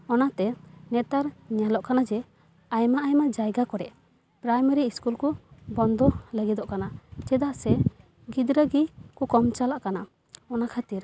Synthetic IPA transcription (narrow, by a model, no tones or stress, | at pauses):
ɔnat̪ɛnɛt̪aɾɲalɔʔkanad͡ʒɛ | ajmaʔajmaʔd͡ʒajɡakɔɾɛʔ | pɾajmeɾiːskulkɔbɔnd̪ɔləɡid̪ɔʔkanad͡ʒɛd̪aʔsɛ | ɡid̪ɾəɡikɔkɔmt͡ʃalaʔkana | ɔnakʰat̪iɾ